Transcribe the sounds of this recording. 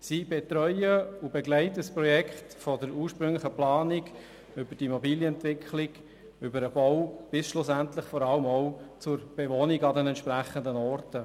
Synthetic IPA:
sib̥ɛt̪ɾœʏəubeɡlæɪtəəspɾɔjɛkχtfɔdəɾuːʃpɾʏŋlɪχəplɑːniɡ | ʏbədiimɔbiːljəɛntvɪkʰχlɪɡ | ʏbəɾəb̥ɔʊb̥ɪsʃlʊsænt̪ləχfɔɾɑləmɔʊt͡sʊɾb̥eʋoniɡɑdɛnɛntʃpɾæχəndənɔrtə

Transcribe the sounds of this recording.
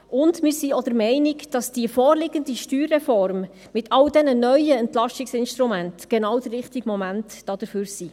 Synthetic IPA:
ʔʊndmɪɾsiɔd̥əɾmɛɪnɪkd̥ɑsd̥iəfɔːrlɪɡəndiʃtyːrːɛfɔrm | mɪtʰɑldɛnənœʏəɛntlɑʃɪksɪnʃtɾumæntɡ̥ɛnɑwdərːɪχtiɡmɔmæntd̥ɑːd̥əɾføːɾsi

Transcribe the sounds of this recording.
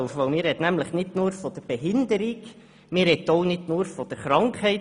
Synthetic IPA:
ʊfʋoʊmɪːɾɛt̪næmləχnɪdnuːɾfɔd̥əɾb̥eɦɪndəɾiɡ | mɪːɾɛt̪ːoʊnɪdnuːɾfɔd̥əɾχɾɑŋkhɛɪ

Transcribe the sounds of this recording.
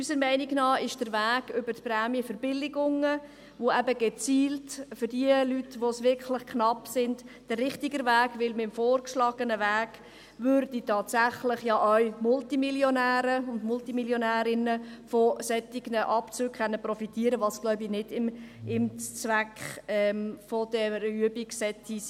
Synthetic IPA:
ysəɾmɛɪnɪɡnɑːɪʃd̥əɾʋæːɡ̥ʏbərtpɾæːmjəfəɾb̥ɪlɪɡʊŋə | ʋoæbəɡɛt͡siːltfʏrdiəlytʋosʋɪɾklɪχkχnɑpsɪnd̥d̥ərrɪχtɪɡəɾvæːɡʋɪlmɪmfoːrkʃlɑːɡ̥ənəvæːɡ̥ | vøɾd̥itɑːtsæχlɪχjɑʔœɥmʊltimiljonæːɾəʊndmʊltimiljonæːɾɪnəfɔsɛtːɪɡnəʔɑpt͡sʉːkχɛnːəprɔfitiːəɾəʋɑsɡ̥lɔʊbinɪdɪmɪmt͡svækχɛmfɔd̥ɛɾyəbiksɛtːis

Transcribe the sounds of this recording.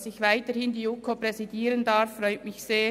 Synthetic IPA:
sɪçvaɪtəhɪndiːukʰopɾɛzidiːɾəndaɾfːrɔʏtmɪçseː

